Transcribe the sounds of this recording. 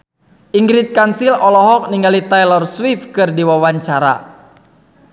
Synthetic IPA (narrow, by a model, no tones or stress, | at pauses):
ʔiŋɡɾit̪̚kansilɔlɔɦɔk̚niŋɡalit̪ajlɔrswifkɨrdiwawaɲt͡ʃaɾa̰